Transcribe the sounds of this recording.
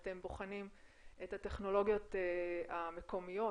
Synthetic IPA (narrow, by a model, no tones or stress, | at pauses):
te̞mboχanim | ethate̞χno̞lo̞ɡjo̞teame̞ko̞mijo̞